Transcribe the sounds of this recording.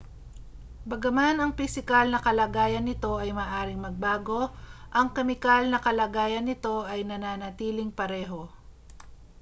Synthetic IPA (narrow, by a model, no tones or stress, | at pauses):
bɐɡɐmanɐŋpɪsɪkalnɐkɐlaːɡaːjɐnːɪt̪o̞ʔɐjmɐːʔaːɾɪŋmɐɡ̚baːɡo̞ʔɐŋkɐmɪkalnɐkɐlɐːɡaːjɐnːɪt̪o̞ʔɐjnɐnaːnɐt̪iːlɪŋpɐɾɛːɦo̞